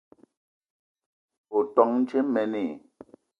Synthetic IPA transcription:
o˨tɔ˨ŋn̩˦t͡ʃe˦mɛ˨ne˨

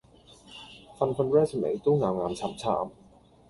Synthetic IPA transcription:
fa˧nfa˧nɾɛː˥˩sə˨mḛ˨˦˥jt̪u˥˩ŋaː˧wŋaː˧mt͡ɕʰaː˨˥mt͡ɕʰa̰ː˨˩˦m

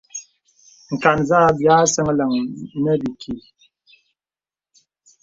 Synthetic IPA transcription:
ŋ̩˨ka˨nza˦bjaː˦sə˦ŋ˦lə˨ŋnə˦bi˨kʰi˨

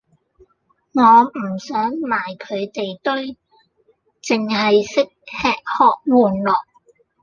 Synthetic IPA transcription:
ŋɔː˨˧m̩˨˩sœː˨˥ŋmaː˨˩jkʰɵ˨˧ɥt̪e˨jt̪ɵ˥ɥ | t͡sɪ˨ŋhɐ˨jsɪ˥k̚hɛː˧k̚hɔː˨k̚wuː˨nlɔː˨˩k̚

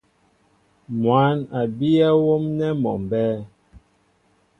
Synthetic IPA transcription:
mwa˨˦na˨bi˦a˦wo˦mnɛ˦mɔ̰˨mbɛː˦

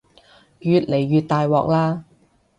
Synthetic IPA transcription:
jyː˨˧t̚le˨˩jːyː˨t̪̚t̪aː˨jwɔː˨˧k̚laː˥

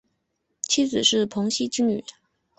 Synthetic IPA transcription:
t͡ɕʰi˥t͡sɹ̩˨˩ʂɻ̩˥˩pʰʊ˧˥ŋɕi˥t͡ɕi˥ŋy̰˨˩˦

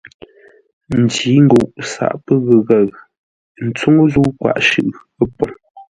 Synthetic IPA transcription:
n̩˨di˨˦ŋ̩˦ɡu˨ʔsa̰˦˨ʔpə˦ɣə˨ɣa˨ɣ | n̩˨˦t͡su˦ŋ˦zu˦kwa̰˦˨ʔʃʉ˦˨ʔpə˦pɔ˨ŋ

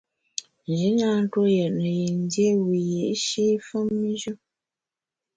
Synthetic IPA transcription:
n˨d͡ʒi˨˦na˦n̩˦two˦jə˨ʔnə˨je˨n˦dje˦wi˨je˨ʔʃe˦fə˦mːi˦ʒə˦

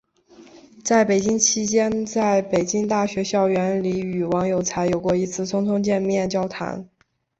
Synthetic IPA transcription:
t͡sa˥˩ɪpe˨˩ɪt͡ɕi˥ŋt͡ɕʰi˥t͡ɕjɛ˥nt͡sa˥˩ɪpe˨˩ɪt͡ɕi˥ŋt̪a˥˩ɕɥɛ˧˥ɕjɑ˥˩ʊɥɛ˧˥nli˧˥y˨˩wɑ˧˥ŋjo˨˩ʊt͡sʰa˧˥ɪjo˨˩ʊkwɔ˥˩i˧˥t͡sʰɹ̩˥˧t͡sʰʊ˥ŋt̪ʰʊ˥ŋt͡ɕjɛ˥˧nmjɛ˥˩nt͡ɕjɑ˥ʊt̪ʰa̰˧˥n

